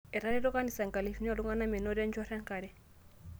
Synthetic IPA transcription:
e˨ɾa˦ɾɛ˦ɾo˦ka˦ni˨sa˨ŋka˨li˨fi˦n˦a˨lu˦ŋa˦na˦me˨no˦ɾɛ˦nd͡ʒa˦ɾa˦ŋka˨ɾɛ˦

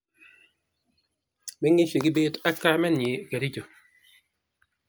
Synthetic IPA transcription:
mɛ˦ŋi˦ʃe˨kɪ˦be˦ta˦kːa˦mɛ˦n˨i˨ke˨ɾi˦d͡ʒo˨

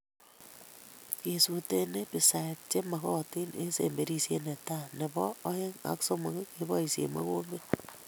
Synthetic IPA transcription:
ke˨su˨te˦ne˦pi˨sa˨t̚t͡ʃe˦ma˨ɣɔ˦ti˦ne˦sḛ˨mbe˨ɾi˦sje˦ne˨ta˦˨ne˨bɔː˦he˦ŋa̰˨˦kso˦ma˨ke˦ke˦bɔ˦i˨sjḛ˨ma̰˦ɣo˦mbe˦

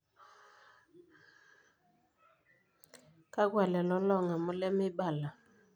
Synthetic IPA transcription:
ka˦ɡwa˨lɛ˨lɔ˨˦lɔ˦˨ŋa˨mʊ˦lɛ˦mɪ˦ba˦˨la˨

